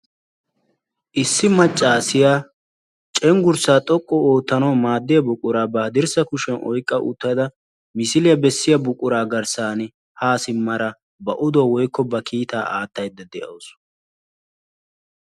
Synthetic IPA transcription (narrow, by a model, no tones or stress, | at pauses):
ʔɪsːɪmɐt͡ʃʼːaːsɪjaː | t͡ʃʼɛŋɡʊɾsaːt̪ʼɔkʼːɔoːt̪ːɐnoːmaːd̪ːɪjɐbʊkʼʊɾaːbɐɐd̪ɪɾsɐkʊʃɛnʔɔ̰jkʼːɐʔʊ̰t̪ːɐd̪ɐ | mɪsɪlɪjɐbɛsːɪjɐbʊkʼʊɾaːɡɐɾsaːn | haːsɪmːɐɾɐ | bɐʔʊd̪ɔwɔjkːɔbɐkʰiːt̪aːʔaːt̪ːɐjd̪ːɐd̪ɛʔɐ̰ws